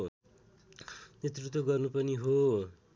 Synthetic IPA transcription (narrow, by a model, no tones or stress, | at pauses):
net̪rut̪wʌɡʌrnupʌniɦo